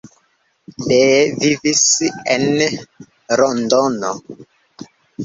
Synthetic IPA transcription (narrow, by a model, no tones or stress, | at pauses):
levivisen | ɾondono̰